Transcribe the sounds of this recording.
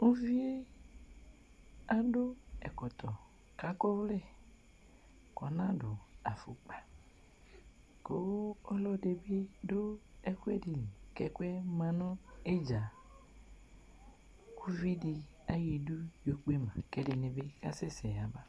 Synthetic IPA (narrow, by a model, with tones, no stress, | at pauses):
u˦vi˦e˦ | a˦do˦ɛ̰˨kɔ˨t̪ɔ˨ | ka˦ko˦vlɛ˦ | kɔ˨nã˦do˨a̰˨fu˨k͡pa˨ | ko˦ɔ˦lɔ˦de˨be˦do˦ɛ˦kwe˦di˨ni˨kɛ˨kwɛ˦mã˨nɔ˦e˦d͡ʒa˨ | ku˦vi˦di˨ | a˦ji˨du˦jo˦k͡pe˦mã̰˨kɛ˦de˨ne˨be˦ka̰˦sɛ˦sɛ˨a˨ba˦